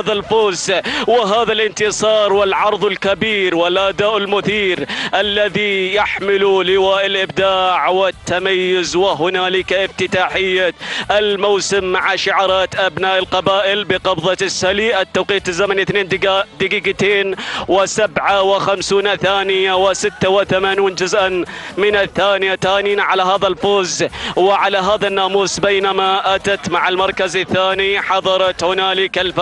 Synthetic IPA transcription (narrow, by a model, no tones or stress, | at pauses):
aðalfoːswɪɦaːðalʔɪnt̪ɨsˤɑːɾˤwɪlʕɑɾˤðˤɪlkabiːɾwɪlʔad̪aːʔɪlmʊθiːɾʔalːaðijaħmɪlulɪwaːʔɪlʔɪb̚d̪aːʕwɪtt̪ːamajːʊzwɪɦʊnaːlɪkaʔɪft̪ɪt̪aːħɪjːaɪlmowsɪmːaʕaʃʊʕɑɾˤɑːt̪ʔabnaːʔɪlqɑbaːʔɪlbɪqɑbðˤɑsːaliʔat̪ːawqiːt̪ɪzːamanʔθneːnd̪d̪ɪɡiːɡat̪eːnwɪsabʕawɪxamsuːnaθaːnɪjawɪsɪt̪ːawɪθamaːniːnd͡ʒʊzʔanmɪnɪθːaːnɪjaθaːniːnʕalaɦaːðalfoːzwɪʕalaɦaːðanːaːmuːsˤbeːnamaʔat̪at̪maʕalmɑɾˤkazɪθːaːniħɑðˤɑɾˤɑt̪hʊnaːlɪkɪlf